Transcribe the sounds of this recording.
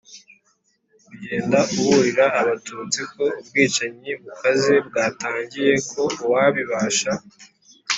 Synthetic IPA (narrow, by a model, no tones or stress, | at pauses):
uɟe̞ːndaʔuβuɾiɾaːβatuːt͡siko̞ub̚ɡiːt͡ʃaɲiβukaze̞bɡaːtaːɲɟije̞kʰo̞waβiβaːʃa